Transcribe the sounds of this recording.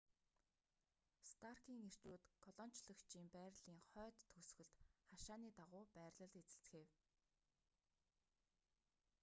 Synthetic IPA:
st̪ʰarkiːŋer̥t͡ɕuːt̪kʰɔɮɔn̥t͡ɕɮɞ̆kt͡ɕʰiːmpæːrɮiːŋχœːt̪ʰːɵsxɵ̆ɮt̪χaʃaːniːt̪aʁʊːpæːrɮə̆ɮet͡sɘ̆ɬt͡sxeːw

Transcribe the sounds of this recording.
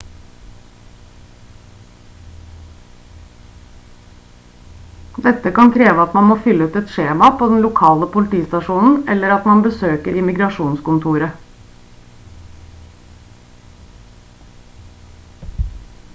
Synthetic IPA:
d̪ɛt̪əkɑnkʰɾeːʋəɑt̪mɑnmoːfʏləʉːt̪ɛt̪ʃeːmɑpʰoːd̪ɛn̩lʊkʰɑːləpʊlɪt̪ʰiːst̪ɑʂuːnn̩ɛlːəɾɑt̪mɑnbəsøːkəɾɪmɪɡɾɑʂuːnskʊnt̪ʰuːɾə

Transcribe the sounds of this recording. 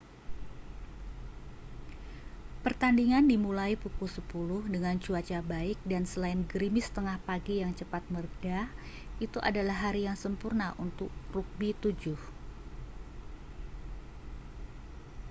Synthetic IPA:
pərt̪andiŋandimulaipukulsəpulʊhdəŋant͡ʃuat͡ʃabaɪk̚dansəlaɪnɡəɾimɪst̪əŋahpaɡijaŋt͡ʃəpat̪̚mərda | ʔit̪uʔa̰dalaɦːaɾijaŋsəmpurnaʔunt̪ʊk̚ruk̚bit̪ud͡ʒʊh

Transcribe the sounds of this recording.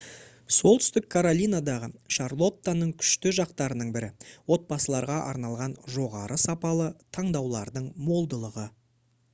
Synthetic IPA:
so̞lˠt̪ʰʏst̪ɪkʰːaɾolʲijnad̪ɑʁəʃɑɾlˠo̞t̪ːanəɴkʲʰʏ̥ʃt̪ɪʒɑqt̪ɑɾənəɴbɪɾɪwo̞t̪̚bɑsəlˠɑɾʁɑʔɑ̰ɾnɑlˠʁɑnʒo̞ʁɑɾʔəsɑpɑlˠət̪ʰɑɴd̪ɑwlˠɑɾd̪əɴmo̞lˠd̪əlˠəʁə

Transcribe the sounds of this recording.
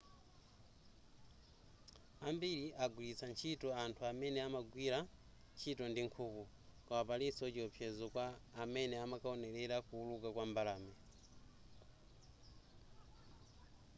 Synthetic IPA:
ambiɾiʔaɡwilit͡sant͡ʃʰitɔantʰuamɛnɛamaɡwiɾa | nt͡ʃʰitɔndiŋkʰuːku | kawapalisɔt͡ʃiɔpʰjɛzɔkwaːmɛnɛamakaɔnɛɾɛɾakuːlukakwambalaːmɛ

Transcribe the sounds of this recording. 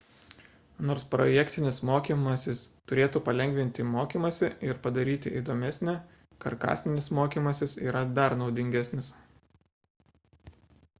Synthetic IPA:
noːɾspɾojɛkt̪ʲɪnʲɪsmoːkʲiːmɐsʲɪst̪ʊɾʲeːt̪uːpɐlʲɛŋʲɡʲʋʲɪnʲt̪ʲɪmoːkʲiːmɐsʲɪɪɾpɐd̪ɐɾʲiːt̪ʲɪʔid̪oːmʲɛsʲnʲɛ | kɐɾkɑ̰ːsʲnʲɪnʲɪsmoːkʲiːmɐsʲɪsiːɾɐd̪ɐɾnɒʊd̪ʲɪŋʲɡʲæsʲnʲɪs

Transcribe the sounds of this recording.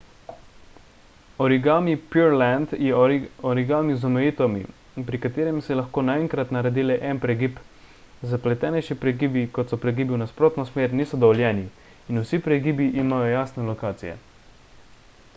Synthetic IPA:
ɔɾiɡaːmipuɾlɛnd̪jɛɔɾiɡaːmizɔmɛjiːt̪ɛwmḭ | pɾikat̪eːɾɛmsɛlaxkoːnaɛŋkɾat̪naɾɛd̪iːlɛʔɛnpɾɛɡiːp | zaplɛt̪ɛːnɛjʃipɾɛɡiːbikɔt̪sɔpɾɛɡibiwnaspɾoːt̪nɔsmeːɾniːsɔd̪ɔʋɔljɛːniː | nusipɾɛɡiːbiʔimaːjɔjaːsnɛlɔkaːt̪sijɛ̰

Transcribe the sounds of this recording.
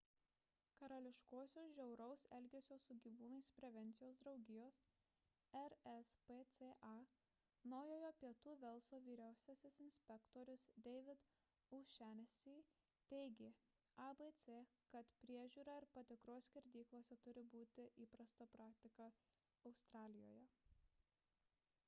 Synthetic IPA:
kɐɾɐlʲɪʃkoːsʲoːsʒʲɛʊɾɐʊsɛlʲɡʲɛsʲoːsʊɡʲiːʋuːnɐɪspʲɾʲɛʋʲɛnʲt̪sʲɪjoːsd̪ɾɒʊɡʲɪjoːs | ɛɾɛspet̪seʔɑ | nɒʊjoːjoːpʲiɛt̪uːʋʲɛlˠˑsoːʋʲiːɾʲæˑʊsʲɛsʲɪsɪnʲsʲpʲɛkt̪oːɾʲʊsd̪ʲɛɪʋʲɪt̪ | ʊʃʲæːnʲɛsʲiː | t̪ʲɛɪɡʲeː | ɑbet̪sʲeːkɐt̪pʲɾʲiɛʒʲuːɾɑɪɾpɐt̪ʲɪkɾoːsʲkʲɪɾʲd̪ʲiːklˠoːsʲɛt̪ʊɾʲɪbuːt̪ʲɪʔiːpɾɐst̪ɐpɾɑːk̚t̪ʲɪkɐ | ɐʊst̪ɾɑːlʲɪjo̰ːjɛ

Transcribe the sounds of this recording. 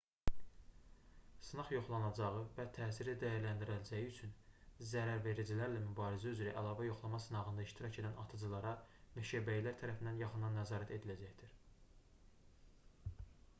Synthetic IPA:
sɯnɑχjo̞χlˠɑnɑd͡ʒɑʁɯvæt̪ʰæːsiɾid̪æjæɾlænd̪iɾæld͡ʒæjiyt͡ʃʰynzæɾæɾve̞ɾid͡ʒilæɾlæmybɑːɾizæyzɾæʔælˠɑːvæjo̞χlˠɑmɑsɯnɑʁɯnd̪ɑiʃt̪ʰiɾɑcʰe̞d̪ænʔɑt̪ʰɯd͡ʒɯlˠɑɾɑmeʃæbæjilæɾt̪ʰæɾæfind̪ænjɑχɯnd̪ɑnːæzɑːɾæt̪ʰe̞d̪ilæd͡ʒæçd̪̥iɾ̥

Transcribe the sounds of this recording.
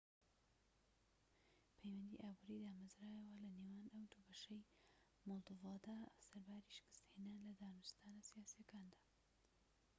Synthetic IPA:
pʰɐjwɐnd̪ḭʔaːbuːɾid̪aːmɐzɾaːjɐwɐlɐnewaːnɐwd̪ubɐʃɐj | molˠd̪ovɑːd̪asɐɾbaːɾiʃɪ̥kɨ̥st̪henaːnlɐd̪aːnust̪aːnasijaːsijɐkaːnd̪ḁː

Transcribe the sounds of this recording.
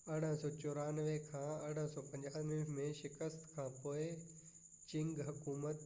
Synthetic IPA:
ɐɽ̤ə̃sɔːt͡ɕʊɾaːnʋekʰãːɐɽ̤ə̃sɔːpɐ̃ɲd͡ʑaːʋimẽʃɪkəst̪kʰãːpoːɪ | t͡ɕɪ̃ŋɡɦɐkuːmət̪

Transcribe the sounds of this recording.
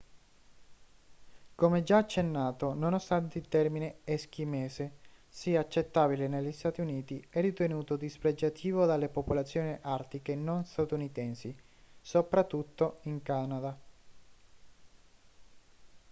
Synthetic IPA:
komɛd͡ʒaːt͡ʃːenːaːt̪ononost̪ant̪eilt̪ɛrmineɛsk̟imɛːsesiat͡ʃːet̪ːaːbilenelːist̪aːt̪iuniːt̪iɛrːit̪enuːt̪od̪ispɾed͡ʒat̪ʰiːvod̪alepopolat̪sːjoːniʔart̪ikenonst̪at̪unit̪ɛnsi | sopɾat̪ːut̪ːoiŋkanad̪a

